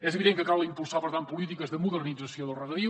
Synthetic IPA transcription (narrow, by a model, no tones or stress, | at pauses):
ɛzəβiðeŋkəkalˠlimpulˠsaβəɾðampulit̪ikəzðəmuðərnidd͡zəsioðəlˠrəðəði